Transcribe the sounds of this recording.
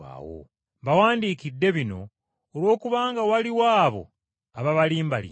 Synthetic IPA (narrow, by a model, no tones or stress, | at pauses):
a̰ːwo̰ | mbawaːndiːkidːe̞βino̞ː | lwo̞ːkuβaːŋɡawaliwaːβo̞̰ | aβaβaliːmbalḭ